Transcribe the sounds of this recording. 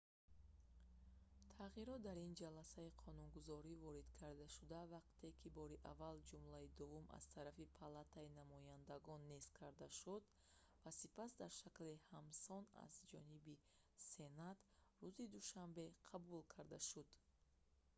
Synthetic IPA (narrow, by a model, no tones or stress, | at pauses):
t̪ʰaʁiɾɔt̪̚d̪aɾind͡ʒalasaiqʰɔnunɡuzɔɾivɔɾid̪kʰaɾd̪aʃud̪avaq̚t̪ʰe̞kʰibɔɾiʔavald͡ʒumlaid̪uvumʔa̰z̥t̪ʰaɾafipʰalat̪ʰainamɔjand̪aɡɔnːiskʰaɾd̪aʃud̪ | vasipasd̪aɾʃaklihamsɔna̰zd͡ʒɔnibi | se̞nat̪ruzid̪uʃambe̞qʰabulkʰaɾd̪aʃud̪̥